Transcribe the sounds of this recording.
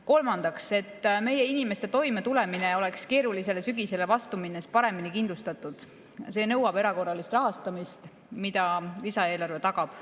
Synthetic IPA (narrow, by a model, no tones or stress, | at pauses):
ko̞lmɑnd̪̥ɑkse̞t̪ːme̞je̞inime̞st̪e̞t̪o̞jme̞t̪ule̞mine̞o̞le̞kske̞ːɾulise̞le̞syɡise̞le̞vɑst̪uminːespɑɾe̞minikind̪lust̪ɑt̪ːˑud̪̥ | se̞ːnɤwɑbe̞ɾɑko̞rːɑlist̪rɑɦɑst̪ɑmist̪ | mid̪ɑlisɑe̞ːlɑrve̞t̪ɑɡ̥ɑb̥